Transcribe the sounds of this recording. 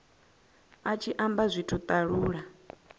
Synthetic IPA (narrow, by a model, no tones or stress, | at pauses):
at͡ʃʰiʔambazʷitʰut̪ʼaɺuːɺa